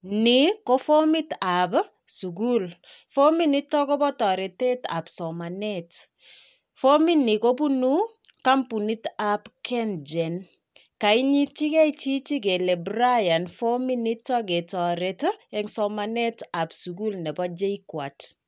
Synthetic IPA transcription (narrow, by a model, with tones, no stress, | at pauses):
nikofo˦mi˦tap | suɡulfo˦minitːɔ˦ko˦bɔ˦tɔɾe˨te˦ta̰˨psɔma˨nɛt | fo˦mini˨ko˦b̬unu˦ka˦mpu˨ni˦tapkʰɛnd͡ʒɛn | ka˨iɲi˦t͡ʃi˦kɛ˦it͡ʃi˦t͡ʃi˦k̬e˨lɛ˨bɾaja˨nfo˦mini˦tːɔ˦ke˨tɔ˨ɾetɛ˨ŋsɔmanɛ˦ta˨bsuɡu˦lnɛ˨bɔ˦d͡ʒe˦ikwa̰t